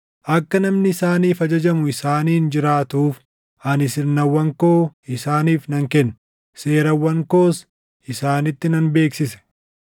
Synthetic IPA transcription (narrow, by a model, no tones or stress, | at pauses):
ʔɐkːɐnɐmnɪːsaːniːfɐd͡ʒɐd͡ʒɐmʊɪsaːniːnd͡ʒɪɾaːt̪uːf | ɐnɪsɪɾnɐwːɐŋkoːɪsaːniːfnɐŋkɛnː | se̞ːɾɐwːɐŋko̞ːs | ɪsaːnɪt̪ːɪnɐnbe̞ːksɪsɛ̥